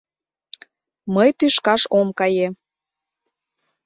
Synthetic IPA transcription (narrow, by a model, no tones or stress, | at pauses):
məjt̪yʃkɑʃomkɑje